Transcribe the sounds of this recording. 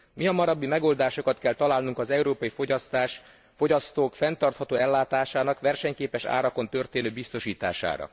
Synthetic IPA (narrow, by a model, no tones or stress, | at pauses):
miɒmɒɾɒbːimɛɡo̞ld̪aːʃo̞kɒt̪kɛlt̪ɒlaːlnuŋkɒzɛuɾoːpɒjifo̞ɟɒst̪aːʃ | fo̞ɟɒst̪oːkfɛnt̪ɒrt̪hɒt̪oːɛlːaːt̪aːʃaːnɒkʋɛrʃɛɲkeːpɛʃa̰ːɾɒko̞nt̪ø̞rt̪eːnøːbist̪o̞ʃiːt̪a̰ːʃa̰ːɾɒ̰